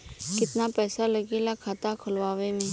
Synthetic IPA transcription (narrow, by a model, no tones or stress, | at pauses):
kɪt̪napɛːsalɐɡelakʰaːt̪akʰʊlʋaːʋemẽː